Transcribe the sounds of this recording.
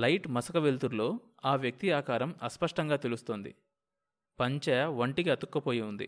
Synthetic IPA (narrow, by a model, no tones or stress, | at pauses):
lɐjʈmɐsɐkɐʋelt̪uɾlo̞ː | aːʋjɐk̚t̪iaːkaːɾɐmɐspɐʂʈɐŋɡaːt̪elust̪oːnd̪ḭ | pɐɲt͡ʃɛjɐʋɐɳʈikiɐt̪ukːɐpo̞ːjiund̪ḭ